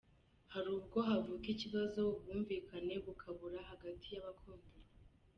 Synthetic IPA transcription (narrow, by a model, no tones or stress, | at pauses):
haɾuːbɡo̞ɦavuːkiciβazo̞βɡuːɱviːkʰane̞βukʰaβuɾaɦaɡatʰijaβakʰoːmbuɾ